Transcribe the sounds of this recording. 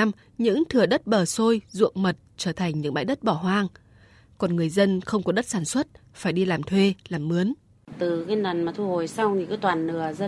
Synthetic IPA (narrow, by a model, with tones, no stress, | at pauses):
m | ɲɨ̰˧˥ŋt̪ʰɨ˨˩əɗə˦˥t̚ɓəː˨˩so˧jzṵ˧˨əŋmə˨˩t̚t͡ɕəː˧˩t̪ʰa˨˩ŋ̟ɲɨ̰˧˥ŋɓa̰ː˧˨jɗə˦˥t̚ɓɔ˧˩ɦwaː˧ŋ | kɔ˨˩nŋɨ˨˩əjzə˧nxə˧wŋ͡mkɔ˨˦ɗə˦˥t̚saː˧˩nswə˦˥t̚faː˧˩jɗi˧laː˨˩mt̪ʰwe˧laː˨˩mːɨ˨˦ən | t̪ɨ˨˩kaː˨˦na˨˩nmaː˨˩t̪ʰu˧ho˨˩jsa˧wŋ͡mt̪i˨˩kɨ˨˦t̪waː˨˩nːɨ˧˩əzə˧